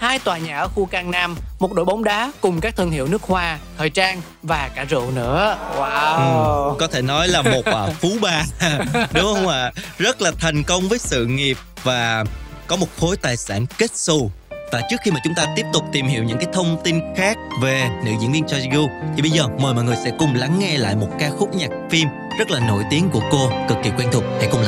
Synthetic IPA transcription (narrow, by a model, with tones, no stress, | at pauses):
haː˧jt̪waː˨˩ɲaː˨˩ʔxu˧kaː˧ŋnaː˧mmo˨˩t̚ɗo̰˧˥jɓa˨˦wŋ͡mɗaː˨˦kʊ˨˩ŋ͡mkaː˦˥k̚t̪ʰɨ˧əŋhḭ˧˨əwnɨ˦˥ək̚hwaː˧t̪ʰəː˨˩jt͡ɕaː˧ŋ | vaː˨˩kaː˧˩zɨ̰˧˨nɨ̰˧˥əwa˧ʔɨ˨˩kɔ˨˦t̪ʰe˧˩nɔ˨˦jlaː˨˩mmo˨˩t̚aː˨˩fu˨˦ɓaː˧˩ɗʊ˨˦ŋ͡mhə˧wŋ͡mlaː˨˩zə˦˥t̚laː˨˩t̪ʰɛ˨˩jŋ̟kə˧wŋ͡mvəː˨˦jsɨ̰˧˨ŋi˨˩əp̚vaː˨˩kɔ˨˦mo˨˩t̚xo˨˦jt̪aː˨˩jsa̰ː˧˩nke˦˥t̚su˧vaː˨˩t͡ɕɨ˦˥ək̚xi˧maː˨˩t͡ɕʊ˨˦ŋ͡mt̪aː˧t̪i˦˥əp̚t̪ʊ˨˩k͡p̚t̪i˨˩mhḭ˧˨əwɲɨ̰˧˥ŋkaː˨˦jt̪ʰə˧wŋ͡mt̪i˧nxaː˦˥k̚ve˨˩nɨ̰˧˥zḭ˧ənvi˧ənt͡ɕɔ˧ɣu˧t̪ʰi˨˩ɓə˧jzəː˨˩məː˨˩jmɔ̰˧˨ŋ˨˩əjsɛ̰˧˥kʊ˨˩ŋ͡mla˨˦ŋːɛ˧la̰ː˧˨jmo˨˩t̚kaː˧xʊ˦˥k͡p̚ɲa˨˩k̚fi˧m | zə˦˥t̚laː˨˩no̰˧˨jt̪i˨˦əŋku˧˩əko˧kɨ˨˩k̚ːi˨˩kwɛ˧nt̪ʰʊ˨˩hɛ̰˧˥kʊ˧˩ŋ͡mla˨